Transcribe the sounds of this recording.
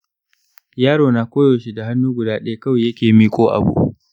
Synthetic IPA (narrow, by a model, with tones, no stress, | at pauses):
jaː˦ɽoː˨naː˨kʷoː˦joː˨ʃi˦da˨ɦa˦nːuː˦ɡʷʊ˨daː˦ɗja˦kɐ˦weː˨jɐ˦kʲeː˨miː˦kʷʼoː˦ʔa̰˨bṵ˦ʔ